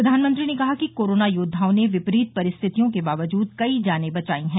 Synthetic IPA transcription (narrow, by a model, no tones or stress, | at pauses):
ɾɐd̪ʱaːnmə̃nt̪ɾinekɐɦakikoːɾoːnajʊːd̪ʱːãːneʋɪpɾiːt̪̚pɐɾɪst̪ʰɪt̪ijõkebaːʋəd͡ʒuːd̪̚kɐid͡ʒaːnebɐt͡ʃaːĩɦɛ̃ː